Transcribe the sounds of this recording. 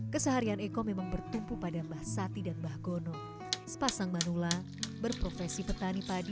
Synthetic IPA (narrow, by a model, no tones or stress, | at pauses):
kəsəɦaɾianekɔmemaŋbərt̪umpupadambahsat̪idanbahɡonɔ | sə̥pasaŋmanula | bərpɾofɛsipət̪anipadi